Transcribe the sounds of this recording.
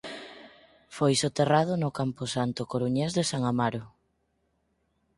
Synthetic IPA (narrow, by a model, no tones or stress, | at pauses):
fojsot̪erað̞ʊnʊkampʊsant̪ʊkoɾuɲezðesaŋamaɾʊ